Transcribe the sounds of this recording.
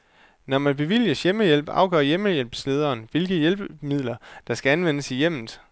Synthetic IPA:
nɒmænb̥e̝ʋil̰jɐsjeməjel̰b̥ɑ̈ʊɡ̥ɶ̰ɐ̰jeməjel̰b̥sle̝ːð̞ˠɐːnʋe̝lɡ̥əjelb̥mið̞̰ˠlɐd̥ɑ̈sɡ̥æænʋenəsijem̰n̩ˠ

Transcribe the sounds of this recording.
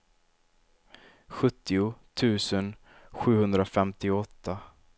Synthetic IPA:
ɧɵt̪ːɪʊt̪ʰʉ̟ːsən | ɧʉ̟ːhɵnd̪ɾafɛmt̪ɪɔt̪ʰːa

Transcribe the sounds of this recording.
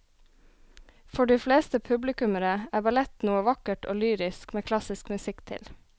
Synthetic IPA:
fɔɖiːfleːst̪əpʰʉblɪkʉməɾəæːbɑlɛt̪nuːəʋɑkəʈo̰ːlyːɾɪskmeːkʰlɑsɪskmʉsɪkt̪ʰɪ̰l

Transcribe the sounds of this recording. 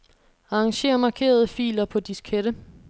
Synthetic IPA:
ɑ̈ɑŋɕe̝̰ːɐmɑ̈kʰe̝̰ːɐð̞ˠəfḭːlɐpʰɒ̽d̥iskʰeɾ̥ə

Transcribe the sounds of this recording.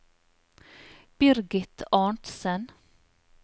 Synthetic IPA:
b̥ɪɾɡɪt̪ʰɑːɳʈ̪sɛn

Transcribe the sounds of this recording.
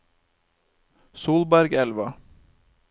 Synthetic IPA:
suːlbæɾɡɛlʋɑ

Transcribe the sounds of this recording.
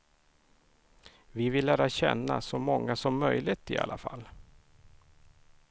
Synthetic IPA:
vɪvɪlːæːɾaɕɛ̰nːa̰sɔmɔŋːasɔmːœjlɪt̪ɪa̰lʔafa̰lː

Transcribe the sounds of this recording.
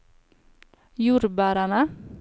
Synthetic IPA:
juɾbaɾana

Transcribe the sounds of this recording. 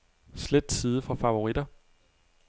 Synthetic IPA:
sled̥siːð̞ˠəfɒfɑ̈ʋo̝ʁid̥ɐ

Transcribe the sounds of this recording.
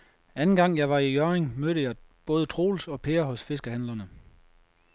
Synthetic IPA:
ænn̩ɡ̥ɑ̈ŋ̰jɑ̈ɪʋɑ̈ijœʁeŋmøɾ̥əjɑ̈ɪb̥ɔ̽ːð̞ˠət͡sʰʁo̝̰ːlsɒ̽pʰe̝ːɐɦɔ̽sfe̝sɡ̥əhænlɐnə

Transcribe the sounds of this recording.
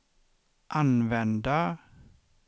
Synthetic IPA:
ʔanʋɛnd̪a

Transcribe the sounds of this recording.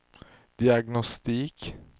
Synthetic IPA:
d̪̥ɪɑɡnɔst̪iːk

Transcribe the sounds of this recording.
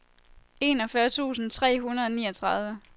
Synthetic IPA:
e̝nɒ̽fɶɐt͡sʰṵːsn̩t͡sʰʁɛ̰ːɦunɐðˠɒ̽niːʌt͡sʰʁɑ̈ð̞ˠʋə

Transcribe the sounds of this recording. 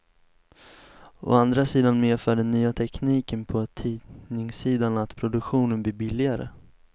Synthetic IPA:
o̰and̪ɾasiːd̪anmeːfœːɖɛnːyːat̪ʰɛkniːkənpʰɔt̪ʰiːnɪŋsiːd̪anat̪pʰɾʊd̪ɵkɧuːnənbliːbɪlːɪɡaɾə̰

